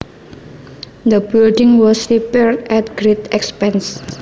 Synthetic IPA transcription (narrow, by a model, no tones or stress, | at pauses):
d̪əbɪldɪ̃ŋwɔsɹipɛɹɛt̪̚ɡɾet̪ɛkspɛ̃ns